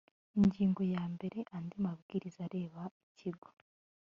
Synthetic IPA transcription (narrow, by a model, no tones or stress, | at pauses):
iɲɟiːŋɡo̞jaːmbe̞ɾe̞ʔand̪imabɡiɾizaɾe̞ːβaiciɡo